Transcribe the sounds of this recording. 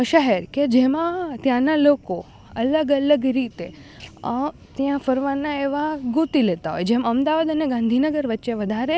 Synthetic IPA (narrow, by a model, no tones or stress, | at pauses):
əʃəɦɛɾked͡ʒemãt̪jãnaloko | ələɡələɡɾiːt̪e | t̪jãfəɾʋãnːaeʋaɡut̪ilet̪aɦo̰jed͡ʒemaəmd̪aʋad̪əneɡãnd̪ʱinəɡəɾʋətːʃeʋəd̪ʱaɾe